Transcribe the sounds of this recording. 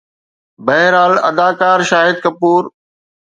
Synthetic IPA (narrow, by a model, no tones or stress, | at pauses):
bɐɦɪɾaːlɐ̰d̪aːkaːɾʃaːɦɪd̪̚kɐpuːɾ